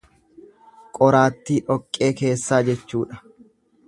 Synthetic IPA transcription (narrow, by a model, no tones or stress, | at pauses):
kʼɔɾaːt̪ːiːʔɔkʼːe̞ːke̞ːsːaːd͡ʒɛt͡ʃːuːᶑɐ̥